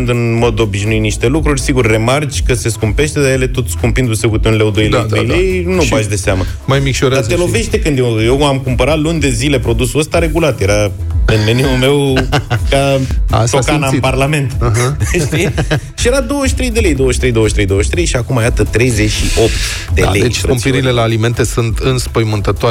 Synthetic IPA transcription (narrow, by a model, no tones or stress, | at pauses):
nd̪ɨnmo̞d̪o̞biʃnuiniʃt̪e̞lukɾurʲsiɡurʲːe̞mart͡ʃʲkəse̞skumpe̞ʃt̪e̞d̪ajele̞t̪o̞t̪skumpɨnd̪usewkut̪unlewd̪ojlet̪ɾejlejnubaʃd̪e̞seamə | majmikʃoɾd̪at̪elo̞ve̞ʃt̪ekɨnd̪jewjewamkumpəɾat̪lunʲd̪e̞zile̞pɾo̞d̪usuəst̪aɾe̞ɡulat̪je̞ɾa | ɨnmeniulme̞wkaa̰sokanaiparlame̞nt̪ɦʃt̪i | ʃije̞ɾad̪o̞wəʃt̪ɾe̞jd̪e̞le̞jd̪o̞wəʃt̪ɾejd̪oəʃt̪ɾejd̪owəʃt̪ɾejʃiakumajat̪ət̪ɾe̞jze̞ʃio̞pt̪ | d̪ḛaled̪et͡ʃspɾumpiɾile̞laːlime̞nt̪e̞sunt̪ɨnspəjmɨnt̪ət̪oa